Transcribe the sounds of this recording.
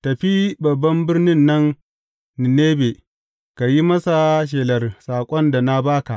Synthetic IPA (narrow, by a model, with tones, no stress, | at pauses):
tɐ˨ɸi˦bɐ˨bːɐ˦mbɪ˦rnɪ˦nːɐ˦nː | ɪ˨neː˦be˨ | ka˨ji˦mɐ˦sa˨ʃ̬eː˨lɐ˨rsaː˨kʷʼɔ˦nda˨na˦baː˦ka˨ʔ